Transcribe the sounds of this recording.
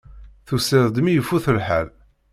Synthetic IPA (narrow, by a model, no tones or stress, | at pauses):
θusəðˤd̪mijəfːuθəlħæl